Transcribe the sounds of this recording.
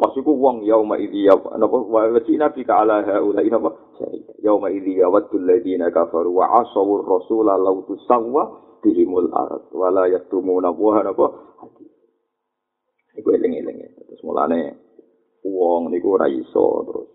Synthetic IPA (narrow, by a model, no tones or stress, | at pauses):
pasikuwɔŋjaumaʔiðija̰napɔwawat͡ʃːinafikaalaɦaʔulainapɔ | sa̰ḭtajawmaiðijawat̪ːulːaðinakafaɾuwa̰ʔasɔurːɔsulalaut̪usawwa | t̪iɦimula̰ɾa̰t̪̚walajat̪umunapuɦanapɔhat̪i | nikuɛlɛŋɛ̰lɛ̰ŋɛ̰t̪ɾusmula̰nɛ | uɔŋnikuɾa̰ḭsɔ̰t̪ɾṵs